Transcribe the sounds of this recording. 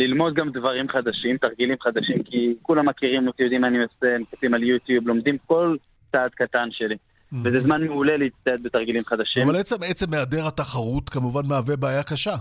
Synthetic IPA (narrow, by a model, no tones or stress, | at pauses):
lilmo̞d̪̚ɡamd̪vaʁimχad̪aʃimt̪aʁɡilimχad̪aʃimkikulamːakiʁimlot̪ijod̪imaniosemekatimaljut̪jublo̞md̪imko̞l | t͡saːd̪̚kat̪anʃe̞li | vezezmanmeule̞leit͡st̪aet̪̚bet̪aʁɡilimχad̪aʃimvalbet͡semet͡semːead̪e̞ʁhat̪aχaʁut̪kamuvanmaːve̞baːjakaʃa